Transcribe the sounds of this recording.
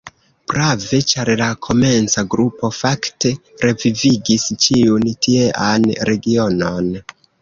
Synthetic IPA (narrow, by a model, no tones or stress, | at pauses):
b̥ɾave̞t͡ʃaɾlakʰo̞me̞nt͡saɡɾupo̞fakte̞ɾe̞viviɡist͡ʃiuntʰieʔanɾe̞ɡio̞no̞n